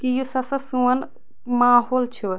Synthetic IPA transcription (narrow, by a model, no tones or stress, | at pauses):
kijusɐsɐsuən | maːɦoːlt͡ʃʰu